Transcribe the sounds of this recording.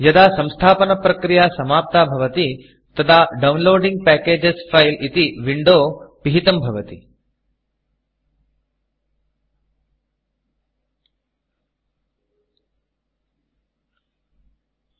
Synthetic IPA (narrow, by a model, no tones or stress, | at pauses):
jɐd̪aːsɐ̃mst̪ʰaːpɐnɐpɾɐkɾijaːsɐmaːp̚t̪aːbʱɐʋɐt̪i | t̪ɐt̪ʰaɖɐwnloːɖĩŋɡ̚pɛːkeːd͡ʒesfʰɐjlʔit̪iʋiɳɖoːpiɦit̪ɐmbʱɐʋɐt̪ḭ